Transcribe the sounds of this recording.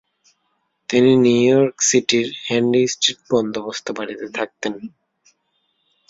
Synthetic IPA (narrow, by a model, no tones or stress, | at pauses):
t̪ininujɔɾksiʈiɾhɛɳɖisʈɾiʈ̚bɔnd̪ʱobost̪obaɽit̪et̪ʰak̚t̪en